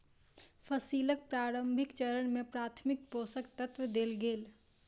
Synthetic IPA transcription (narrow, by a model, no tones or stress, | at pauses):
pʰəsiːlək̚pɾaːɾəmbʱɪkt͡ʃəɾəɳmẽpɾaːt̪ʰmɪk̚poːsəkt̪ət̪wəd̪eːlɡeːl